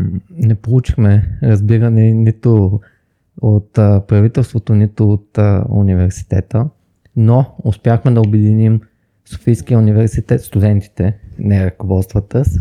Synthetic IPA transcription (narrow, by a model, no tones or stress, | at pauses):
nɛpolˠut͡ʃi̥xmɛɾɐzbiɾɐnɛnit̪ʊ | ot̪pɾɐvit̪ɛlˠst̪vot̪onit̪ʊot̪ṵnivɛɾsi̥t̪ɛt̪ə | noʊspʲjaxmɛd̪ɐobɛd̪inim | so̥fijskijəunivɛɾsit̪ɛt̪st̪ud̪ɛnt̪i̥t̪ɛnɛɾəkovɔt̪st̪vɐt̪əs